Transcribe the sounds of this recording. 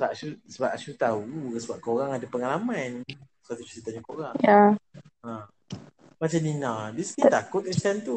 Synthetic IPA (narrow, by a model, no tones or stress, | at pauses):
səbaʔʃusəbaʔ̚ʃut̪aukəsəbap̚koɾaŋadapəŋalamãn | sat̪ut͡ʃitit̪aɲakoɾaŋja | a | mat͡ʃamninãdisnit̪akʊt̪̚ist̪ɛnt̪u